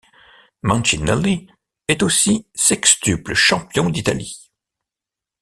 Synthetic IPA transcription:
mɑ̃nʃinɛli | ɛt̪osisɛkst̪ypləʃɑ̃pjɔ̃d̪it̪a̰li

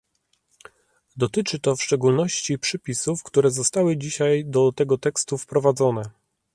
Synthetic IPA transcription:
d̪ɔt̪ɘt͡ʂɘt̪ɔfʂt͡ʂɛɡulnɔɕt͡ɕipʂɛpʲisufkt̪uɾɛzɔst̪awɘd͡ʑiɕajd̪ɔt̪ɛɡɔt̪ɛkst̪ufpɾɔvad̪zɔnɛ

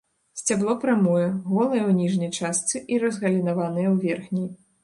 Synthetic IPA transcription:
sʲt͡sʲablˠɔpɾamɔjɛɣɔlˠɨjɛwnʲiʐnɐjt͡ʂast̪sɨʔiɾɐzɣɐlʲinavanɨjɛwvʲɛrxnʲi

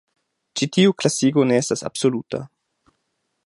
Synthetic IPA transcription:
t͡ʃitiuklasiɡoneestasa̰bsoluta̰

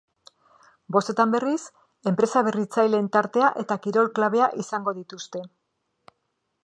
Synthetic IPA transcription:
bo̞st̪e̞t̪ambe̞ris | e̞mpɾe̞saβ̞e̞rit͡sajlent̪aɾt̪e̞aʔe̞t̪akiɾo̞lklaβ̞e̞aʔisaŋɡo̞ðit̪ust̪e̞

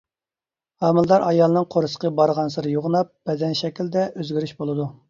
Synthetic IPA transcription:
hɑːmɨlˠd̪ɑɾʔɑjɑlˠɨnɨŋqʰoɾɨsə̥qəbɑɾʁɑnsɨɾɨjoʁnɑp̚b̥ɛd̪ɛnʃɛkʲild̪ɛʔøzɡʲyɾyʃbolˠɨd̪u

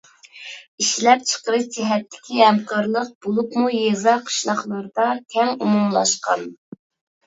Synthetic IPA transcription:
iʃlɛp̚t͡ʃʰə̥qəɾɨd͡ʒɛɦɛt̪ʰːɪ̥kʲiɦɛmqɑɾlˠəq̚b̥olˠupmujezɑqʰə̥ʃlˠɑχlˠɑɾd̪ɑkʲʰɛŋumumlˠɑʃqɑn

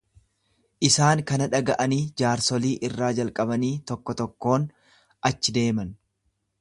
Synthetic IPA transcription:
ʔɪsaːŋkɐnɐᶑɐɡɐʔɐniːd͡ʒaːɾsɔliːʔɪrːaːd͡ʒɐlkʼɐbɐniːt̪ɔkːɔt̪ɔkːo̞ːn | ɐt͡ʃːɪd̪e̞ːmɐn

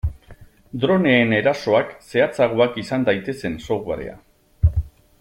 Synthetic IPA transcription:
d̪ɾo̞ne̞ːne̞ɾaso̞akse̞at͡saɣ̞oakisand̪ajt̪e̞se̞nso̞ɣaɾe̞̰a̰

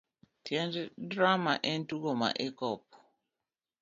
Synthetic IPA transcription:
tjɛnddɾamaʔɛntuɡoma̰ʔekɔp̚

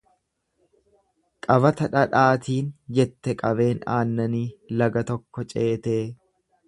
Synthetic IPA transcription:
kʼɐβɐt̪ɐᶑɐᶑaːt̪iːnd͡ʒɛt̪ːɛkʼɐβe̞ːna̰ːnːɐniːlɐɡɐt̪ɔkːɔt͡ʃʼe̞ːt̪eː

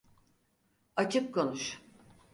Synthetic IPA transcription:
at͡ʃʰɯp̚kʰo̞nuʃ

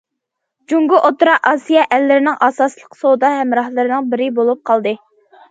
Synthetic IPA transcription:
d͡ʒuŋɡʊʔot̪uɾɑqɑsijɛʔælːɪɾɪnɪŋʔɑːsɑːslˠəqʰsod̪ɑɦɛmɾɑhlˠɨɾɨnɨŋbɪɾɪbolˠup̚qʰɑlˠd̪ɨ

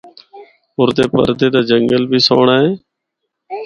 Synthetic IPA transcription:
ʊɾt̪eːpə̰ɾd̪eːd̪aːd͡ʒəŋɡəlbʱiːso̰ːɳaːɦeː

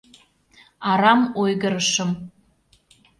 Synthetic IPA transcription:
ɑɾɑmojɣəɾəʃəm

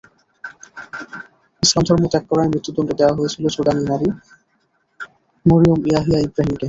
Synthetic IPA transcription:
isand̪ʱɔɹmot̪ɛkːɔɹaɛmɹit̪ːud̪ɔndɔd̪ewaɦojesʰilosodaninaɾi | moɹiomijaɦijaibɹaɦimke

